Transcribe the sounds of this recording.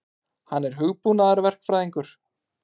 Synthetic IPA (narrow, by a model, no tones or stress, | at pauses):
hanːɛɾ̥ɦʏɣpunaðaɾvɛr̥kfɾajðiŋkʏɾ̥